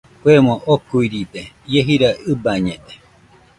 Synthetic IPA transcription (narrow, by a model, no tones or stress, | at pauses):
kwemõʔokuiɾid̪e | jeɦiɾaɨbaɲẽd̪e